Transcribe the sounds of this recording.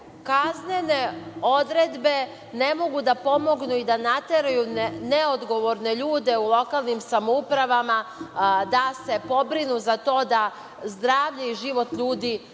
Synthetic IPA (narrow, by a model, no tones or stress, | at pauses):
kaznene̞o̞d̪ɾed̪be̞ | ne̞mo̞ɡud̪apo̞mo̞ɡnuid̪anat̪e̞ɾajuneod̪ɡo̞ʋoɾne̞ʎuːd̪e̞ulˠo̞kalˠnimsamoupɾaʋamad̪ase̞po̞bɾinuzat̪o̞ːd̪a | zd̪ɾaːʋʎeiʒiʋo̞t̪ʎuːd̪iː